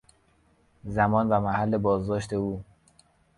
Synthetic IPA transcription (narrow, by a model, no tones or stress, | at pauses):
zæmɒːnvæmæhælːebɒːzd̪ɒːʃt̪ʰe̞uː